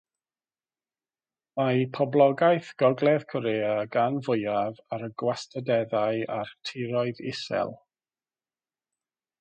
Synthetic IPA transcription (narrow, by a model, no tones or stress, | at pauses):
majpʰɔblˠɔɡajθɡ̥ɔɡlˠɛð̥kʰɔɾeːaɡanvʊjavaɾəɡwastʰədɛðaɨartʰɪɾɔɨðɪ̰sɛ̰lˠ